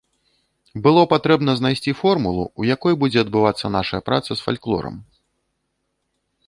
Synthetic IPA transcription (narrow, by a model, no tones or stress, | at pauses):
bɨlˠɔpat̪ɾɛbnɐznajsʲt͡sʲifɔrmulˠṵujakɔjbud͡zʲɛɐd̪̚bɨvat̪sːɐnaʂɐjɐpɾa̰t̪sɐsfa̰lʲklˠɔ̰ɾɐ̰m